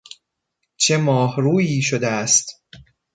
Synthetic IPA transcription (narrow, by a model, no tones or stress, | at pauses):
t͡ʃʰe̞mɒːhɾuːjiːʃod̪eæst̪